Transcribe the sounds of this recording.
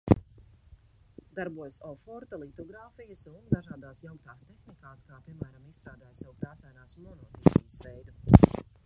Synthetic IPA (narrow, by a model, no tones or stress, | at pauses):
d̪aɾbuɔjsɔfɔɾt̪ɐlˠit̪ɔɡɾaːfijəsund̪aʒaːd̪aːsjawk̚t̪aːst̪exnikaːskaːpiɛmæːɾamist̪ɾaːd̪aːjsawkɾaːsajnaːsmɔnɔt̪ipijəsʋɛjd̪u